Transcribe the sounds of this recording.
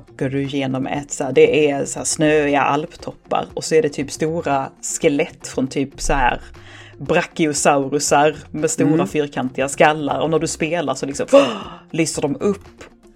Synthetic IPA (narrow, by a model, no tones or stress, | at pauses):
ɡ̥oːɖɵɪjeːnɔmɛ̰t̪sæːɖɛʔæshæːsnøːɪa̰ʔa̰lpt̪ʰɔpːa̰ɾɔsɔæɖɛt̪ʰyːpst̪uːɾaskɛlɛt̪ːfɾɔnt̪ʰyːpsɔhæ̰ːɾ | bɾakːɪʊsaʊɾɵsaɾmɛst̪uːɾafyːɾkʰant̪ɪɡaskalːa̰ɾɔnæɖɵspeːlaɾʂɔlɪksɔmlyːsəɖɔmɵpː